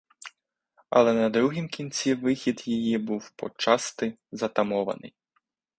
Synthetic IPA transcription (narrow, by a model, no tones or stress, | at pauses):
ɐ̰lˠɛnɐd̪ɾuɦimkʲint͡sʲiʋɪxʲid̪jijibuwpɔ̰t͡ʃɑst̪ɪzɐt̪ɐmɔʋɐ̰nɪ̰j